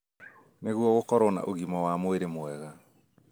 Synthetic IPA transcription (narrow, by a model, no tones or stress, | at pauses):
neɣuɔɣokɔɾɔna̰ʔoɣimɔwamweɾemwɛɣa